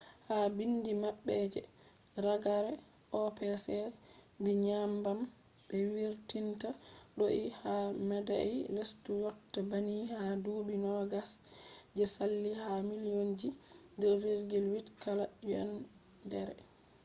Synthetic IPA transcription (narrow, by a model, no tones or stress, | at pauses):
habindimaɓːɛd͡ʒɛ̰ | ɾaɡaɾɛ | ʔɔpɛsɛbiɲambam | bɛwiɾtintaɗoʔihamɛdailestujɔtːabanihaduːbinɔɡasd͡ʒɛsalːihamilijond͡ʒidɔviɾɡilwitkʰalauɛ̰n | dɛɾɛ̰